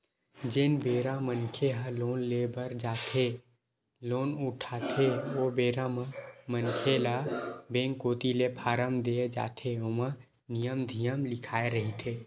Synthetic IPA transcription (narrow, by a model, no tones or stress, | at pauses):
d͡ʒeːnbeːɾãmənkʰeɦəloːnlebəɾd͡ʒaːt̪ʰe | loːnʊʈʰaːt̪ʰeʋobeːɾãmãmənkʰelabẽːŋkoːt̪ilepʰaːɾəmd̪eed͡ʒa̰ːt̪ʰeomã | nijəmd̪ʱijəmlɪkʰaːeɾəɦit̪ʰeː